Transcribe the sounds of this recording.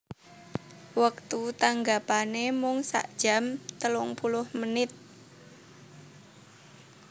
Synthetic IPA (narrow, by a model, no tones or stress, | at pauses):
wək̚t̪ut̪aŋɡapanemʊŋsa̰ʔd̥ʒ̥a̤mt̪əlʊŋpulʊhmənɪt̪̚